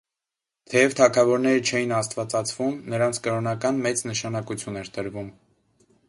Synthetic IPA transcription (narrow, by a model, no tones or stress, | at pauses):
t̪ʰɛjɛvt̪ʰɑkʰɑvɔɾnɛɾət͡ʃʰɛjinɑst̪vɑt͡sɑt͡sʰvumnəɾɑnt͡sʰkəɾɔnɑkɑnmɛt͡snəʃɑnɑkut͡sʰjunɛɾt̪əɾvum